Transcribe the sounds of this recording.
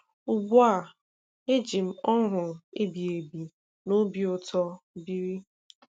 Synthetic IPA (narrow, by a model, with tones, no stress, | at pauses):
ʊ˨ɡʷa˦˨ | e˦d͡ʒi˨m̩˦ɔ˦ɦʊ˨e˦bi˨e˨bi˨ | no˦bi˨ʊ˦tɔ˦bi˦ɾi˦